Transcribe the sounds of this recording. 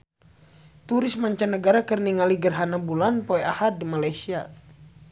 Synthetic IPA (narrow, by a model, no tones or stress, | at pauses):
t̪uɾɪsmaɲt͡ʃanːəɡaɾakərniŋaliɡərɦanabulanpɔɛahar̚dimalajsia